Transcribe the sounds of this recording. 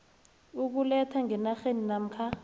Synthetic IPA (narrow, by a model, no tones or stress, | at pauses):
uk̬ulɛtʰaŋʱɛnaxeninam̩kʰa